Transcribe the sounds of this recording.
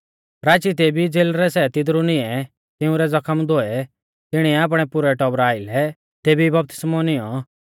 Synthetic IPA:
ɾaːt͡ʃit̪̬eːbid͡zeːlɾɛsɛt̪ɪd̪ɾunɪɛ | t̪ɪʊ̃ɾɛd͡zɐkʰəmd̪oːɛ | t̪ɪɽ̃iɛaːp̬ɽ̃ɛpʊɾɛʈɔbɾaːɪlɛ | t̪eːbibɐp̚t̪ɪ̥smɔnɪjɔ

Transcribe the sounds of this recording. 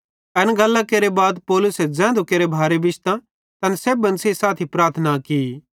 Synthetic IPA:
ɐnɡɐlːãkeːɾebaːd̪pɔːlʊsɛd͡zɛ̃ːnd̪ukeːɾebʱaːɾebɪʃt̪ã | t̪ɐnseːbɐ̃nseisaːt̪ʰipɾaːɾt̪ʰnaki

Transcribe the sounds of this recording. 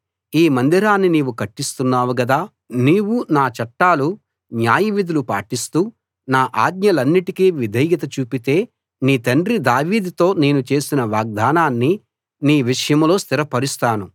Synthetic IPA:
iːmɐnd̪iɾaːnːiniːʋukɐʈːist̪unːaːʋuɡɐd̪aː | niːwunaːt͡ʃɐʈːaːlu | njaːjiʋid̪ulupa̰ːʈist̪uː | naːʔaːd̪ɲɐlɐnːiʈikiːʋid̪ʱɐjɡɐt̪ɐt͡ʃuːpit̪e̞ː | niːt̪ɐɳɖɾid̪aːʋiːd̪t̪o̞ːne̞ːnut͡ʃe̞ːsinɐʋaːɡ̚d̪aːnaːnːi | niːʋiʂɐjɐmlo̞ːst̪iɾɐpɐɾust̪aːnu

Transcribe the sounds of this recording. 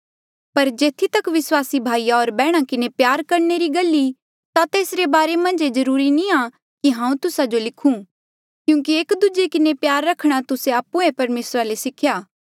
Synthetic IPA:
pɐɾd͡ʒeːt̪ʰːit̪ɐkʋɪswaːsibʱaːijaoːɾbɛːɽ̃akɪnepjaːɾkɐɾneɾiɡɐlːi | t̪at̪eːsɾebaːɾemɐ̃nd͡ʒezɐɾuːɾinĩa | kiɦãːũt̪ʊsad͡ʒolɪkʰũː | kjũːk̬iekd̪ud͡ʒekɪnepjaːɾːɐkʰɽ̃at̪ʊseaːpːũepɐɾmeːsɾalesɪkʰjaː

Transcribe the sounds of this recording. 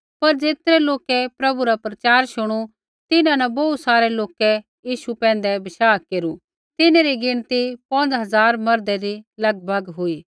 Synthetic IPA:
pɐɾd͡zeːt̪ɾɛloːkɛpɾɐbuɾapɾɐt͡ʃaːɾʃʊɽ̃u | t̪ɪnãnɐbɐut̪saːɾɛloːkɛ | jiːʃupɛ̃ːnd̪ɛbɐʃaːkeːɾu | t̪ɪnẽɾiɡɪɽ̃t̪ipɐ̃nd͡zɦɐzaːɾmɐɾd̪ɛɾilɐɡ̚bʱɐɡɦʊiː

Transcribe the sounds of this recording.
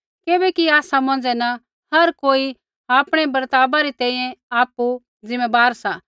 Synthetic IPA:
kɪbɛkiaːsamɐ̃ːnd͡ʒɛnɐ | hɐɾkoːi | aːpɽ̃ɛbɐɾt̪aːbaɾit̪ɛ̃ːĩjɛ̃aːpu | d͡zɪ̃mebaːɾsa

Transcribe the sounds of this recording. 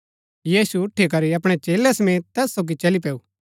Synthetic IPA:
jiːsuʊʈʰːik̬ɐɾiɐp̬ɽ̃ɛt͡ʃeːlɛsɐmẽːt̪t̪ːɛːsːoːɡit͡ʃɐlip̬ɛːuː

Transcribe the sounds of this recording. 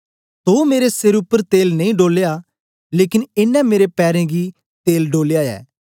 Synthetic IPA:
t̪oːmeːɾesɪɾʊpːəɾt̪eːlnɐ̃ĩɖoːleːja | leːkɪnɪnːɛ̃meːɾepɛːɾẽɡi | t̪eːlɖoːlejaɛ̰ː

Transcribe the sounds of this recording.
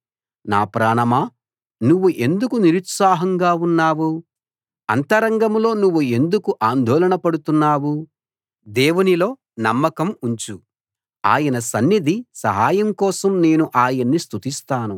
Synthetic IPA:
na̰ːpɾaːɳɐmaː | nuʋːuʔe̞nd̪ukuniɾut̪saːɦɐŋɡaːunːaːwu | ɐnt̪ɐɾɐŋɡɐmlo̞ːnuʋːue̞nd̪ukuʔaːnd̪ʱɔːlɐɳɐpɐɽut̪unːaːwu | d̪eːwunilo̞ː | nɐmːɐkɐmuɲt͡ʃu | a̰ːjɐnɐsɐnːid̪isɐ̰ɦaːjɐmkɔːsɐmne̞ːnuʔaːjɐnːist̪ʰut̪ist̪aːnu

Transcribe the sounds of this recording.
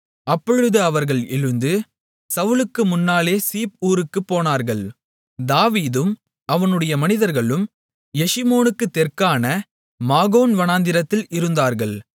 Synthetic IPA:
ɐpːɔɻɯðɯɐʋɐɾɣɐɭɪɻɯnd̪ɯ | sɐʋɯlɯkːɯmʊnːaːleːsiːp̚uːɾɯkːɯpːoːnaːɾɣɐɭ | d̪aːʋiːðɯm | ɐʋɐnɯɽɐjɐmɐnɪðɐɾɣɐɭɯm | jɛʂɪmoːnɯkːɯt̪ːɛrkaːnɐ | maːɣoːnʋɐnaːnd̪ɪɾɐt̪ːɪlɪɾɯnd̪aːɾɣɐɭ

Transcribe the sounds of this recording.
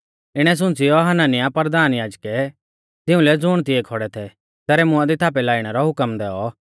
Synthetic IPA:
ɪɽ̃ɛs̬ʊ̃nt͡sɪjɔɦɐnaːnɪjapəɾd̪aːnjaːd͡ʒkɛ | d͡zɪũlɛd͡zʊːɽ̃t̪ɪɛkʰɔɽɛt̪ʰɛ | t̪ɛːɾɛmʊãd̪it̪ʰaːp̬ɛlaːiɽ̃ɛɾɔɦʊkəmd̪ɛːɔ

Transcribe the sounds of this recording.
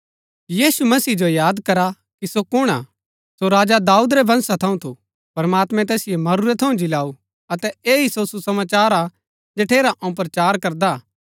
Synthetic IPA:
jiːsumɐsiːd͡ʒojaːd̪kɐɾa | kisokʊɽ̃a̰ | soɾaːd͡ʒad̪aːuːd̪ɾɛbʱɐ̃nsat̪ʰɐũt̪ʰu | pɐɾɐmaːt̪mɛ̃t̪̬ɛːsɪjemɐɾuɾɛt̪ʰːɐũd͡ʒɪlaːu | ɐt̪ɛeːisosusɐmaːt͡ʃaːɾa | d͡ʒeːʈʰeːɾaʔɐ̃ũpɾɐt͡ʃaːɾkɐɾd̪a

